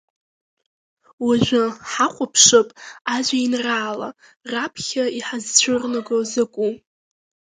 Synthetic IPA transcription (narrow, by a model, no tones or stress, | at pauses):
waʒᶣʷaħaχʷʼapʰʂɨpʼaʒʷainraːla̰ | rapʰχʲaiħazt͡ɕʷʰʊrnaɡozakʷʼu